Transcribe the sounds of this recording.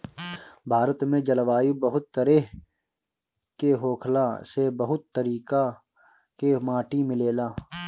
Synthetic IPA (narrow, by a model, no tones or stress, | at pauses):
bʱaːɾət̪mẽd͡ʒɐlʋaːjubɐɦʊt̪ːəɾe | keɦoːkʰlaːsebɐɦʊt̪ːəɾiːka | kemaːʈimɪleːlaː